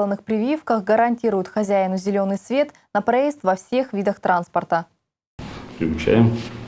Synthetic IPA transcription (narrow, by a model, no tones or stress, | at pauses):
ənːɨxpɾʲɪvʲifkəxɡəɾɐnʲtʲiɾʊjʊt̪xɐzʲæɪnʊzʲɪlʲo̞nːɨjsvʲe̞t̪ | nəpɾɐjest̪vɐfsʲe̞xvʲid̪əxt̪ɾanspərt̪ə | pɾʲɪvʊt͡ɕæ̰jɪm